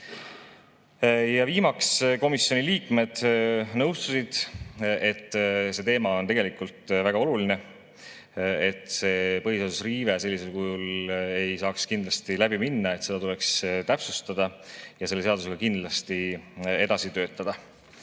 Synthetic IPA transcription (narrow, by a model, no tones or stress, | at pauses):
jɑviːmɑksko̞misjoniliːkme̞d̪̥nɤwst̪usid̪̥e̞t̪ːse̞t̪e̞ːmɑo̞nt̪e̞ɡe̞likult̪ˑvæɡ̥ɑo̞luline̞ | e̞t̪ˑse̞ːpɤɦise̞ɑd̪usriːveselːise̞lkujule̞jsɑːkskind̪lɑst̪ilæbiminːɑe̞t̪se̞d̪ɑt̪ule̞kst̪æpsust̪ɑd̪̥ɑjɑselːeeɑd̪use̞ɡ̥ɑkind̪lɑst̪ie̞d̪ɑsit̪ø̞ːt̪ːˑɑd̪̥ɑ